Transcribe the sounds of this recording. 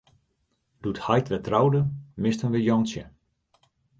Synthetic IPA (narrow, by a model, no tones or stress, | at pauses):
d̥uthajtʋɛtrawdəmɪstənʋəjɔŋsjə